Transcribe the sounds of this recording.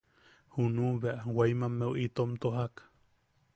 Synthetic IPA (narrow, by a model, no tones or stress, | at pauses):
hunuβeaʔwajmamːeuʔit̪omt̪oɦak